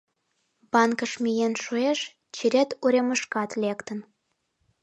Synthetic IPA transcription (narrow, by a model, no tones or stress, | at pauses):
bɑnkəʃmʲijenʃueʃ | t͡ɕiɾʲet̪uɾʲeməʃkɑt̪lʲekt̪ən